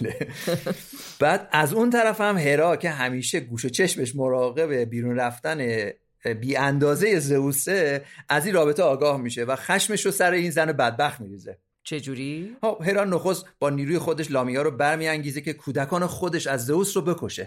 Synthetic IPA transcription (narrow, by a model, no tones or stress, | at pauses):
e | b̥æːd̪æzunt̪ʰæɾæfhæmɦe̞ɾɒːcʰe̞ɦæmiːʃe̞ɡuːʃo̞t͡ʃʰe̞ʃme̞ʃ̬mo̞ɾɒːɣe̞βe̞biːɾunræft̪æne̞ | biːænd̪ɒːze̞je̞ze̞uːse̞ʔæzinɾɒːbe̞t̪ʰeɒːɡɒːhmiːʃe̞væxæʃme̞ʃɾosæɾe̞iːnzænebæd̪̚bæxt̪miːɾiːze̞ | t͡ʃʰed͡ʒuɾixobɦe̞ɾɒːno̞xo̞st̪b̥ɒːniːɾuːje̞xod̪e̞ʃlɒːmijɒːɾobæɾmiːæŋɟiːze̞cʰe̞kʰuːd̪ækʰɒːnexod̪e̞ʃæzːe̞vuːsɾobe̞kʰo̞ʃe̞̰